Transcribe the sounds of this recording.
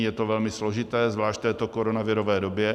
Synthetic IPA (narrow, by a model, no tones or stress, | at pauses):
jɛt̪ovɛlmɪslo̞ʒɪt̪ɛːzvlaːʃt̪̚t̪ɛːt̪o̞koɾonavɪɾovɛːdobjɛ